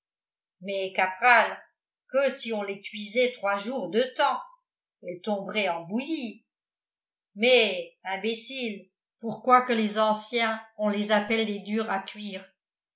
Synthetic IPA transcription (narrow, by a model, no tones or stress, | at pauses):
mɛkapχal | kəsiɔ̃lekɥizɛt̪χwaʒuʁd̪ət̪ɑ̃ | ɛlt̪ɔ̃bʁɛɑ̃buji | mɛɛ̃besil | puʁkwakəlezɑ̃sjɛ̃ɔ̃lezapɛlːed̪yʁakɥiːʁ